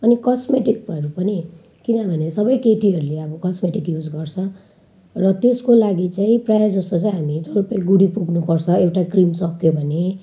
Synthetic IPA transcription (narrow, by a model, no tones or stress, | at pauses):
ʌnikʌsmeʈik̚ʌɾupʌni | kinʌbʱʌnesʌbʌjkeʈiɦʌɾuleʌbʌkʌsmeʈikjud͡zɡʌrt͡sʰʌ̃ | rʌt̪eskolaɡit͡saĩprajad͡zʌst̪ot͡saĩɦamit͡sʌlpeɡuɽipuɡnupʌrt͡sʰʌewʈakrimsʌkːjobʱʌne